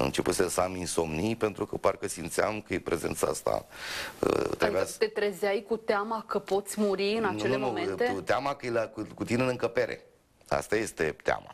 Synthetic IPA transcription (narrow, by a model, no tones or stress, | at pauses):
ɨ̰nt͡ʃe̞put̪sʲesaminso̞mnijpe̞nt̪ɾukəparkəsimt̪seamkəjepɾʔe̞ze̞̰nt̪saa̰st̪a̰ə̰t̪eabat̪et̪ɾezajkut̪eamakəpo̞t̪sʲmuɾiɨnat͡ʃeleumeneut̪eamakəjlakukut̪inenɨŋkəpe̞ɾe̞̰ | a̰st̪aje̞st̪e̞t̪ea̰ma̰